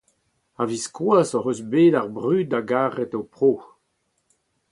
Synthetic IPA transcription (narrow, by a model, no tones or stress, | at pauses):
aviskwaːsɔʁøsbeːdaʁbʁyːt̚daɡaːʁɛtowpʁoː